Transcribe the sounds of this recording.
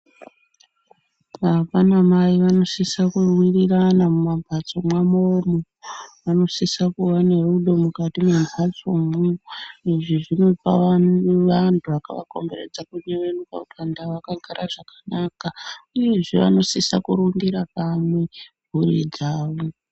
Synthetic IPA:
apanamaiʋano̞sisakurwiriranamumambʱat͡so̞mwamomo | ʋano̞sisakuʋane̞ruɗo̞mukatimenzʱat͡somuiʐiʐino̞pa̰ʋantʰuʋakaʋa̰ko̞̰mbe̞rḛd͡zakuɲeʋenuka̰utandaʋakaɡaɾaʐ̥akanakauje̞ʐeʋa̰no̞sisa̰kuɾundiɾapamwe | bʱuɾid͡zaːʋo

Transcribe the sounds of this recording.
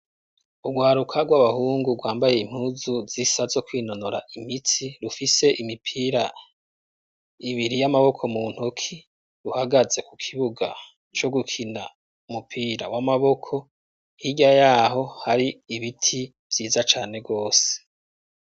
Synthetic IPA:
uɡwaːɾukʰaɡwaβahuːŋɡuɡwaːmbaje̞im̥huːzuzisazo̞kwiːno̞noɾaʔimit͡siɾufise̞ʔimipʰiɾa | iβiɾijamaβo̞kʰo̞mun̥hukʰi | ɾuhaɡaze̞kukʰiβuɡa̰ | t͡ʃo̞ɡukʰina | umupʰiːɾawamaβo̞kʰo̞ | hiɟajaɦo̞haɾiːβitʰi | vjiːzat͡ʃaːne̞ɡo̞ːse̥

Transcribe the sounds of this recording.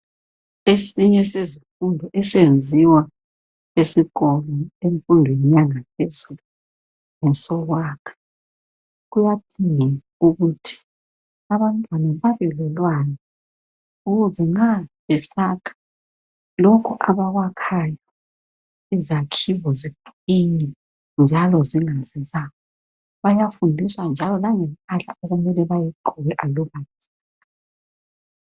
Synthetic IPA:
esiɲɛsezifundʱɔʔɛsend͡zʱiwa | esiɣɔlɔeɱfundʱwɛɲaŋapʰezulu | ŋɛsɔɣwaːkʰḁ | ɣujad̥ʱiŋɛ | uɣutʰi̥ | aβantʼwanaβaβɛlɛlwanɛ | uɣuzɛŋ͡ǁaβɛsakʰḁ | lɔkʰuʔaβaɣwakʰaja | izakʰiβɔzibuinɛ | nd͡ʒʱalɔziŋazɛzaɔ | βajafundʱiswand͡ʒʱalɔlaŋɛmpʼaɬa̰ʔɔɣumɛlɛβajiǃuɣɛʔalɔβazi̥

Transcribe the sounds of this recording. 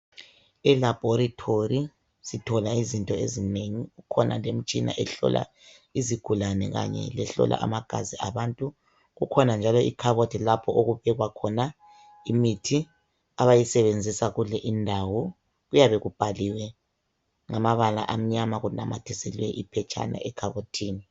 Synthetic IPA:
ɛlab̥ʱɔɾitʰoɾi | sitʰɔlaizintʼɔezineŋiɣukʰɔna̰lem̩t͡ʃʼina̰ʔɛɬɔ̰lʔa̰ | iziɡ̥ʱulanɛ̰ɣa̰ɲɛ̰lɛɬɔ̰lʔa̰ʔa̰maɡ̥ʱa̰ziaβantʼu | ɣukʰɔnand͡ʒʱalɔikʰaβotʰilapʰɔʔoɣuβɛɣwakʰɔna | imitʰi | aβajisɛβend͡zʱisaɣulɛʔindʱawɔ | ɣujaβɛɣub̥ʱaliwɛ | ŋamaβala̰ʔam̩ɲamaɣunamatʰɛsɛlwɛʔipʰɛt͡ʃʰʼa̰na̰ɛkʰaβotʰiːni

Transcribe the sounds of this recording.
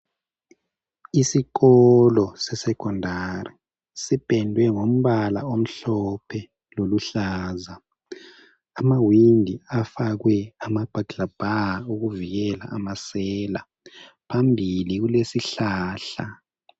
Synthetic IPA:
isiɣɔlɔsɛsɛkʰɔndʱari | sib̥ʱɛndʱwɛŋom̩βala̰om̩ɬɔpʰɛ | loluɬaːza | mawindʱiafaɣwɛamab̥ʱḁab̥ʱaauɣuviɣɛla̰amasɛːla | pʰambʱiliɣulesiɬaːɬa̰

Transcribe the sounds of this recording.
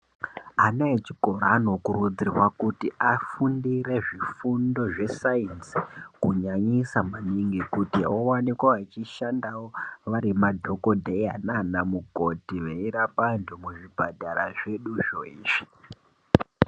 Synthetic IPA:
anaet͡ʃi̥ko̞ɾaːno̞kurud͡zirwakutiafundiɾe̞ʐifundo̞ʐe̞sainsikuɲaɲisamaniŋɡikutiowanikwaat͡ʃiʃandawoʋaɾimadʱo̞ko̞dʱea̰nanamuko̞tiʋeiɾapandumuʐibʱadʱaɾaʐe̞ɗuʐoiːʐi

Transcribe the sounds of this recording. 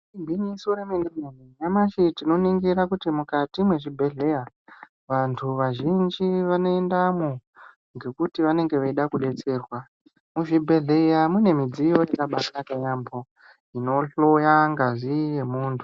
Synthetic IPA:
ibʱinisoɾemendemeniɲamaʃitino̞niŋɡiɾakutimukatimwe̞ʐibʱe̞ɮe̞ja | ʋantʰuʋaʒind͡ʒiʋano̞endamo | ŋɡe̞kutiʋane̞ŋɡe̞ʋeiɗakuɗe̞t͡se̞ːrwa | muʐibʱe̞ɮeijamune̞mid͡zijo̞jekaɓasakajambo | ino̞ɬo̞jaŋɡaʐije̞muːntʰu

